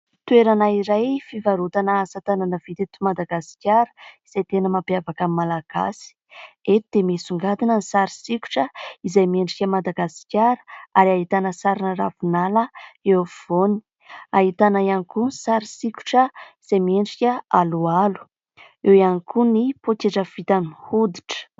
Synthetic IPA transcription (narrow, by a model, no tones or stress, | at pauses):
t̪ueɾanaiɾajfivaɾut̪anəsat̪ananəvit̪et̪umad̪aɡasi̥kʲaɾə̥iz̥ajt̪enəmapjavakammːalaɡ̥a̰si̥ | et̪d̪̥emesuŋɡad̪inənisaɾisikʲu̥ʈ͡ʂəizajmieɳɖ͡ʐikʲəmad̪aɡasi̥kʲaɾə̥aɾaɦit̪anəsaɾinəravunaləewv̥oni̥ | aɦit̪anajanikunsaɾisiku̥ʈ͡ʂəiz̥ajmeɳɖ͡ʐikʲəalualu̥ | ewjanikunipokeʈ͡ʂəv̥it̪anihud̪i̥ʈ͡ʂə̥